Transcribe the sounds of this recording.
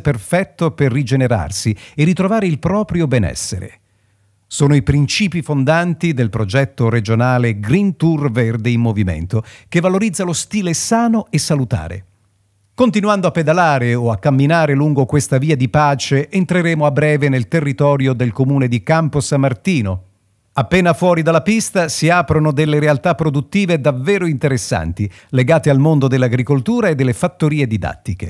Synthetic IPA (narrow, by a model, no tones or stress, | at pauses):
perfɛt̪ːoperːid͡ʒeneɾa̰rsierːit̪ɾovaːɾeilpɾɔːpɾjobɛnɛ̰sːḛɾḛ | soːnoipɾint͡ʃiːpifond̪ant̪id̪elpɾod͡ʒɛt̪ːoɾed͡ʒonaːleɡɾint̪urverd̪eimːovimḛnt̪okevːaloɾid̪zːalost̪iːlesaːnoesːalut̪a̰ːɾḛ | kont̪inwand̪oapːed̪alaːɾeoakːamːinaːɾeluŋɡokwest̪aviːad̪ipaːt͡ʃeʔːnt̪ɾeɾeːmoabːɾɛːvenelt̪erːit̪ɔːɾjod̪elkomuːned̪ikamposamːart̪iːno | apːeːnafwɔːɾid̪alːapist̪asiaːpɾonod̪elːeɾealt̪apːɾod̪ut̪ːiːved̪aveːɾoint̪eɾesːa̰nt̪i | leɡaːt̪ealmond̪od̪elːaɡɾikolt̪uːɾaed̪ːelːefat̪ːoɾiːed̪id̪a̰t̪ːikḛ